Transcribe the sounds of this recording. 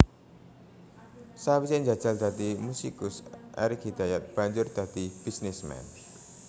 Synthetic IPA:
sawisɛnd͡ʒḁd͡ʒ̥a̤ld̪a̤d̪imusikʊsʔa̰ɾikhid̪ajat̪̚b̥a̤ɲd͡ʒʊrd̪̥a̤d̪ib̥isnɛsmɛ̰n

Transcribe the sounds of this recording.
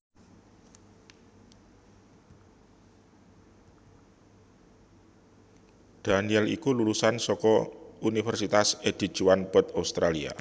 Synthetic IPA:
d̪̥a̤niɛlikululusansɔkɔunifərsit̪ased̪̥i̤̥ʒ̥uwanpət̪aust̪ɾalia̰

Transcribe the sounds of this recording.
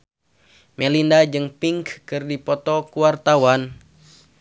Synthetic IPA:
mɛlindad͡ʒɨŋpiŋkkɨrdipɔt̪ɔkuwart̪awan

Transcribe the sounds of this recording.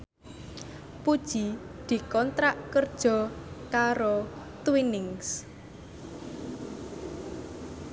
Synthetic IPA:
pud̥ʒ̥i | d̪̥i̤kɔnt̪ɾaʔkərd̥ʒ̥ɔ̤kaɾo | t̪winɪŋs

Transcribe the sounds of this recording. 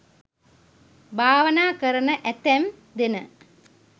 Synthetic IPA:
bʱaːʋɐnaːkɐɾəɳəʔɛt̪ɛm | d̪enə

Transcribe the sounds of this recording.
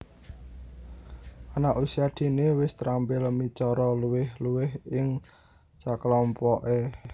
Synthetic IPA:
ʔanaʔusiad̪̥i̤newɪst̪ɾampɪlmit͡ʃɔɾɔluwɪhluwɪhɪŋ | t͡ʃaklɔmpɔʔe

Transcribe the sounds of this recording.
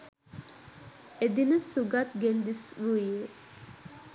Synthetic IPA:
ed̪inəsuɡat̪̚ɡend̪isʋuiə

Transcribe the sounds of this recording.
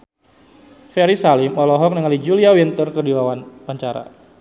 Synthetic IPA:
fɛɾisalɪmɔlɔɦɔk̚nəŋalid͡ʒuliawint̪ərkərdilawanpaɲt͡ʃaɾa̰

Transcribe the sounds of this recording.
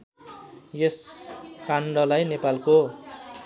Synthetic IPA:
jeskʰaɳɖʌlajnepalko

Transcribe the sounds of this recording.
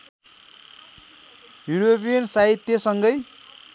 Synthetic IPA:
juɾopʰijʌnsait̪ːesʌŋɡʌj

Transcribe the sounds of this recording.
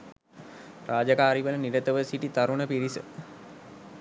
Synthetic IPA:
raːd͡ʒakaːɾiʋələniɾət̪əʋəsiʈit̪aɾuɳəpiɾisə̰

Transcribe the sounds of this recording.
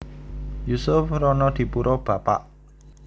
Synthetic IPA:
jusʊfɾɔnɔd̪̥i̤puɾʔɔb̥ä̤pa̰ʔ

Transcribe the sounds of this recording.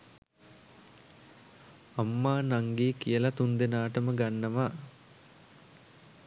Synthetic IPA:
ɐmːaːnaŋɡeːkijəlɐt̪und̪enaːʈəməɡanːɐʋaː

